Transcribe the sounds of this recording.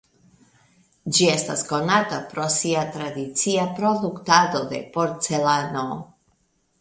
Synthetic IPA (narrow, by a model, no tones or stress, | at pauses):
d͡ʒiɛst̪a̰skonat̪apɾosiat̪ɾad̪it̪siapɾod̪ukt̪ad̪od̪ɛ̰poɾt̪selano